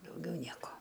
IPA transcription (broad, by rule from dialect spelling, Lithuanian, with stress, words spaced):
dɐʊˈɡʲɛʊ ˈnʲiɛkoː